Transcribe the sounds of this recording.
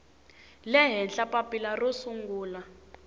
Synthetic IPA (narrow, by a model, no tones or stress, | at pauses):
lɛɦɛnɬapʼapʼilarosuŋɡuːla